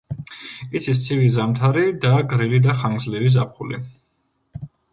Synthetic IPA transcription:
it̪sʰis̬t̪sʰivizamt̪ʰaɾid̪aɡɾilid̪aχaŋɡzlivizapʰχulḭ

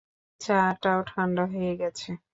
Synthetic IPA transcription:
t͡ɕaɾʈawʈʰanɖaɦojeɡɛt͡ɕʰe

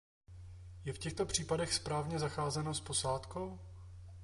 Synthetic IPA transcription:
jɛfcɛxt̪o̞pr̝̥iːpadɛxspɾaːvɲɛzaxaːzɛnospo̞saːt̪kow

